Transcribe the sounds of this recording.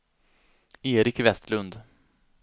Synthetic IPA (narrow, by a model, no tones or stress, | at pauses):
eːɾɪkvɛst̪lɵnd̪